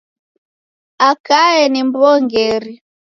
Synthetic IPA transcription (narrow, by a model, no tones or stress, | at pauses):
akaɛnimbɔŋɡɛɾi